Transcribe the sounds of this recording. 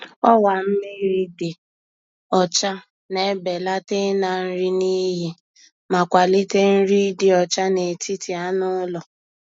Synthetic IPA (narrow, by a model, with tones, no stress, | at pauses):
ɔ˦wa˨m̩˦mi˦ɾi˦di˨ | ɔ˨t͡ʃa˦ | ne˦˨˦be˨la˦te˦na˨n̩˦ɾi˦ni˦ɦi˦ | ma˨kʷa˨li˦te˦n̩˦ɾi˦di˦ɔ˨t͡ʃa˦ne˨tʰi˦ti˨a˦nʊ˦lɔ˨